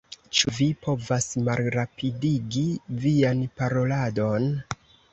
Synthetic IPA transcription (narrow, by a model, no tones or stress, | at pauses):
t͡ʃuvipo̞vasmalɾapʰidiɡivianpaɾo̞lado̞n